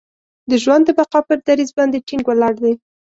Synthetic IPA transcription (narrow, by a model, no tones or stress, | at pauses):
d̪əʒwand̪ːəbaqɑpəɾd̪aɾizbɑnd̪eʈiŋɡwalɑɽd̪aj